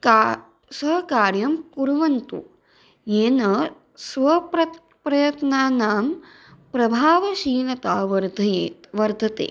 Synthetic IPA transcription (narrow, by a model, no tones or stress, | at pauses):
ka | sɐɦɐkaːɾjɐmkuɾʋɐnt̪ṵ | eːnɐ | sʋɐpɾɐt̪ | pɾɐjɐt̪naːnaːm | pɾɐbʱaːʋɐʃiːlɐt̪aːʋɐɾd̪ʱɐjeːt̪ʋɐɾd̪ʱɐt̪ḛː